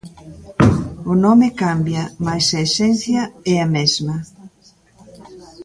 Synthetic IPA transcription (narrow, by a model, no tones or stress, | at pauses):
ʊnɔmekambjɐmajsaesɛn̟θjɐɛamɛzmɐ